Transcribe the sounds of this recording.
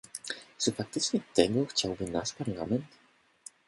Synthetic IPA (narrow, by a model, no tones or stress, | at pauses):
t͡ʂɨfak̚t̪ɘt͡ʂɲɛt̪ɛɡɔxt͡ɕawbɘnaʂpaɾlamɛnt̪